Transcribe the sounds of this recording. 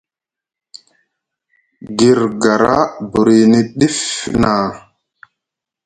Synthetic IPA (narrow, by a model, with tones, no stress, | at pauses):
ɡi˨ɾɡa˨ɾa̰˦bu˨ɾi˨ni˦ɗi˦fna˨